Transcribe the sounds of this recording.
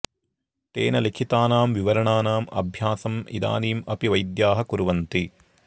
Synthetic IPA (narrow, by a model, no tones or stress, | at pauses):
t̪ḛːnɐlikʰit̪aːnaːmʋiʋɐɾɐɳaːnaːmɐ̰bʱjaːsɐmḭd̪a̰ːniːmɐpiʋɐjd̪jaːɦɐkuɾʋɐnt̪i